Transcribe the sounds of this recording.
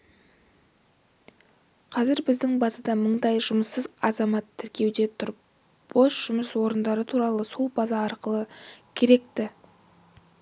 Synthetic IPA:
qʰɑzɪɾbɪzd̪ɪŋbɑzɑd̪ɑməɴd̪ɑjʒʊməsːəzɑzɑmɑt̪ʰːɪɾkʲe̞wd̪e̞t̪ʰʊɾ | b̥o̞sʒ̥ʊməswo̞ɾənd̪ɑɾət̪ʰuɾɑlˠəso̞lˠbɑzɑɑɾqəlˠəkʲʰe̞ɾe̞k̚t̪ɪ

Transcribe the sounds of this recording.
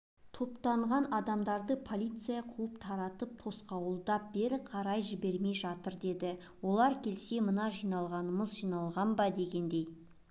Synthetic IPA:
t̪ʰo̞pt̪ɑɴʁɑnɑd̪ɑmd̪ɑɾd̪əpʰo̞lʲˠijt̪sɨjɑqʰuəpt̪ʰɑɾɑt̪əp̚t̪ʰo̞sqɑwəlˠd̪ɑp̚be̞ɾɪqʰɑɾɑjʒɪbe̞ɾme̞jʒɑt̪əɾd̪e̞d̪ɪ | wo̞lˠɑɾkʲʰe̞lse̞mənɑʒijnɑlˠʁɑnəməzʒijnɑlˠʁɑnbɑd̪e̞ɡʲe̞nd̪e̞j

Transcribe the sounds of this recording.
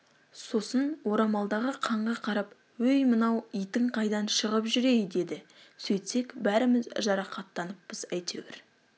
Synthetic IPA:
so̞sənwo̞ɾɑmɑlˠd̪ɑʁəqʰɑɴʁɑqʰɑɾɑp | wɵjmənɑwijt̪ɪɴqʰɑjd̪ɑnʃəʁəpʒʏɾe̞jd̪e̞d̪ɪ | sɵjt̪se̞kbæɾɪmɪzʒɑɾɑqɑt̪ːɑnəpːəzæjt̪ʰe̞̰wḛɾ

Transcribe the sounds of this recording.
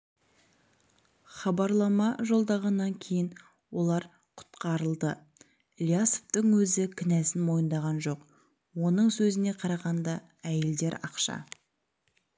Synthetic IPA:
χɑbɑɾlˠɑmɑʒo̞lˠd̪ɑʁɑnːɑŋkʲʰe̞jɪn | wo̞lˠɑɾ | qʰʊ̥t̪qɑɾəlˠd̪ə | lʲjasoft̪əŋwɵzɪkʲʰɪnæsɪnmo̞jənd̪ɑʁɑnʒo̞q | wo̞nəɴsɵzɪne̞qʰɑɾɑʁɑnd̪ɑ | æjeld̪e̞ɾɑqʃɑ̰

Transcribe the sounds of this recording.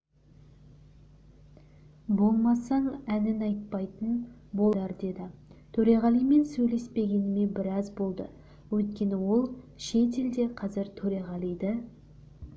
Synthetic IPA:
bo̞lˠmɑsɑɴænɪnɑjt̪̚pɑjt̪ənboɑɾd̪e̞d̪ɪt̪ʰɵɾeʁɑlˠijme̞nsɵjle̞spe̞ɡʲe̞nɪme̞bɪɾɑzbo̞lˠd̪ə̰ | wɵjt̪̚kʲe̞nɪwo̞lˠʃe̞t̪̬e̞ld̪e̞qʰɑzɪɾt̪ʰɵɾeʁɑlˠijd̪ɪ

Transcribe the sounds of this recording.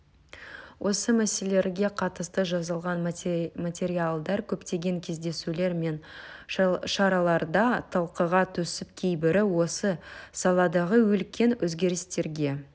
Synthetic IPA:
wʔo̞səmæse̞le̞ɾɡʲe̞qʰɑt̪əst̪əʒɑzɑlˠʁɑnmat̪ʲe̞ɾialˠd̪ɑɾkʲʰɵpt̪e̞ɡʲe̞ŋkʲʰe̞zd̪e̞sule̞ɾme̞n | ʃɑɾɑlˠɑɾd̪ɑt̪ʰɑlˠqəʁɑt̪ʰɵsɪp̚kʲʰejbɪɾɪwo̞səsɑlˠɑd̪ɑʁəwɵlkʲe̞nwɵzɡʲe̞ɾɪst̪e̞ɾɡʲe̞

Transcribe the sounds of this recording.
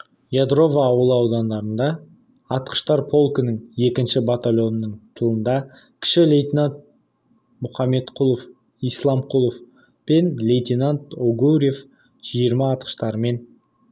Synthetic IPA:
jad̪ɾo̞vɑːwəlˠəɑwd̪ɑnd̪ɑɾənd̪ɑ | ɑt̪qə̥ʃt̪ɑɾpʰo̞lˠkənəɴe̞kʲɪnʃɪbat̪alʲo̞nəːəɴt̪ʰəlˠənd̪ɑ | kʲʰɪ̥ʃɪlʲejt̪ʲinant̪̚ | mʊχɑme̞t̪qʰʊlˠof | ijslˠɑmqʰulˠof | pe̞nlʲejt̪ʲinant̪oɡuɾʲije̞f | ʒ̥ijəɾmɑːt̪̚qə̥ʃt̪ɑɾəme̞n

